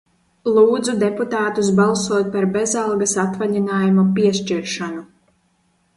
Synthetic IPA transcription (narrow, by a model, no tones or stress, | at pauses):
lˠuːd̪zud̪eput̪aːt̪us̬balˠsuɔt̪̚paɾbezalˠɡasat̪vaʎinaːjumupiɛʃt͡ʃiɾʃanu